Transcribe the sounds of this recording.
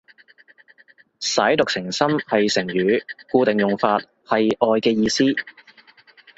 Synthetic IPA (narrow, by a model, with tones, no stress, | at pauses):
sɐ˨˥jt̪ʊ˨k̚sɪ˨˩ŋsɐ˥mhɐ˨jsɪ˨˩ŋjyː˨˧kuː˧t̪e˨ŋjʊ˨ŋfaː˧t̚ | hɐ˨jʔɔː˨jkɛː˧jiː˧siː˥